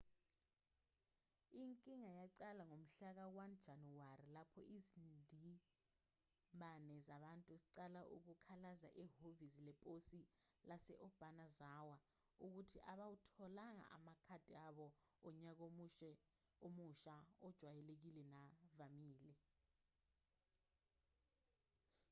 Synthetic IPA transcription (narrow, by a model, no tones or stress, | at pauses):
iŋkʼiŋajaǀalaŋom̩ɬak̬awand̥d͡ʒ̥ʱanuwarilapʰɔʔizindʱi | mɓʱanɛzaɓantʼuziǀalaʔṵk̬ukʰalaza̰ʔɛɦovizilɛpʼosilasɛʔɔb̥ʱanazawa | uk̬utʰiʔaɓawutʰɔlaŋa̰ʔa̰makʰad̥ʱʼiaɓɔːɲak̬oɛ | omuʃaɔd̥ʒ̥ʱwajɛlek̬ilɛnavamiːlɛ